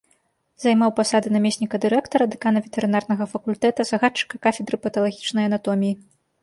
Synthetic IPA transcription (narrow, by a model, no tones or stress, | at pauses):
zajmawpasad̪ɨnamʲesʲnʲikɐd̪ɨɾɛkt̪ɐɾɐd̪ɨkanɐvʲɛt̪ɛɾɨnarn̪ɐɣɐfɐkulʲt̪ɛt̪ɐzɐɣat͡ʂːɨ̥kɐkafʲɛd̪ɾɨpɐt̪ɐlˠaɣʲit͡ʂnɐjɐnat̪ɔmʲiji